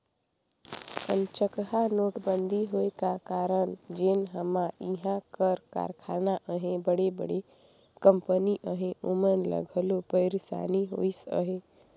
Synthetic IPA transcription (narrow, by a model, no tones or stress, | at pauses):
pənt͡ʃəkɦanoʈbənd̪ʱiɦoekakaɾənd͡ʒenɦəmaiɦãkəɾka̰ɾkʰanaʔəɦẽbəɽebə̰ɽe | kəmpəniʔəɦẽʔomənlə̰ɡʱəlopəjɾsa̰niɦo̰jsə̰ɦe